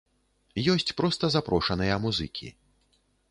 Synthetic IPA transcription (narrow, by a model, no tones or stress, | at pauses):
jɔsʲt͡sʲpɾɔst̪ɐzapɾɔʂɐnɨjɐmuzɨkʲḭ